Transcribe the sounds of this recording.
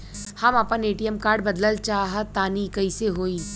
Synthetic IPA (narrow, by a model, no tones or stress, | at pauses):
hɐmapəneːʈijəmkaːɾɖbɐd̪ləlt͡ʃaːɦət̪aːnikɐiseɦoːiː